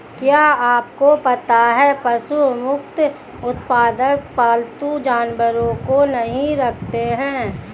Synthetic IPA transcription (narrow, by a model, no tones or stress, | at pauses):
kjaːaːpkopɐt̪aɦɛpɐsumʊkt̪ | ʊt̪paːd̪ək̚paːlt̪ud͡ʒaːnwəɾõkonɐɦĩɾɐkʰt̪eɦɛ̃ː